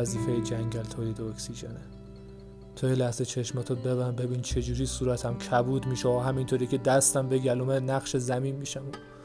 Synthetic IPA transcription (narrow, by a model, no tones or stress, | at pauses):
æziːfejed͡ʒæŋɟælt̪ʰɒːjed̪oksiʒene | t̪ʰojelæhzet͡ʃʰe̞ʃmæt̪ʰobeβæmbe̞biːnt͡ʃʰe̞d͡ʒuːɾiːsuːɾæt̪ʰæmcʰæbuːd̪miːʃeɒɦæmint̪ʰoɾicʰed̪æst̪æmbeɟælumenæχʃezæmiːnmiʃæmu